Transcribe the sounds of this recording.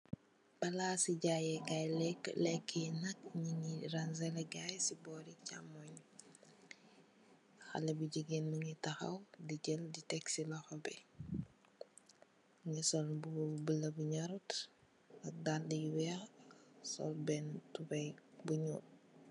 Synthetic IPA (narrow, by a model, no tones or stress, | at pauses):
bɐlaːsiɟajɛɡajlɛkːlɛkʰːinɐk̚ɲiɲiɾɐnzɛlɛɡajsibɔːɾica̰mːɔɲ | xɐ̰lɛbuɟiɡɛnmuɲitɐxɐ̰wdiɟɛlditɛksilɐxɔbɛ | ɲisɔlbubəlɐbuɲaɾut | ɐk̚daldijuwɛ | sɔ̰lbɛntubɐjbuɲuːt̚